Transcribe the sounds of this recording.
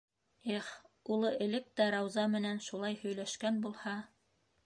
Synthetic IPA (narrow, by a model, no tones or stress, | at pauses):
eχulˠɤʔɘ̆lɘk̚t̪æɾɑwzɑmɘ̆nænʃulˠɑjhɵ̆jlæʃkænbulˠhɑ